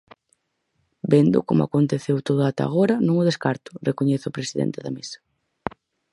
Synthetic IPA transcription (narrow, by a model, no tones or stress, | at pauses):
bend̪ʊ̰komʊa̰kont̪eθewt̪oð̞ʊat̪a̰ɣ̞oɾɐnõŋʊð̞eskaɾt̪ʊ̥rekoɲeθʊpɾesiðḛnt̪eðɐmesɐ̥